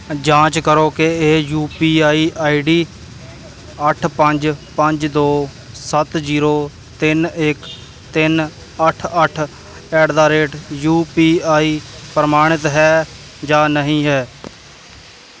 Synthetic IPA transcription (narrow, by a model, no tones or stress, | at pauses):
d͡ʒãːt͡ʃkəɾoːkeeːjuːpiːaːiːʔaːiːɖiː | əʈʰpəɲd͡ʒpəɲd͡ʒd̪oː | sət̪d͡ʒiːɾoː | t̪ɪnɪk | t̪ɪn | əʈʰəʈʰ | ɛːɖd̪aːɾeːʈjuːpiːaːiːpɾəmaːɽ̃ɪt̪ɦɛː | d͡ʒaːnəɦĩːɦɛː